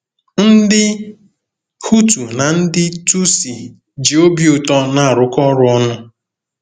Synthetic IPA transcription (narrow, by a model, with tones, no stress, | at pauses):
n̩˦dɪ˦ | hu˦tu˨na˨n̩˦dɪ˦tu˦si˨ | d͡ʒi˨o˦bi˦ʊ˨tɔ˦na˦a˨ɾʊ˦kɔ˦ɾʊ˦ɔ˦nʊ˦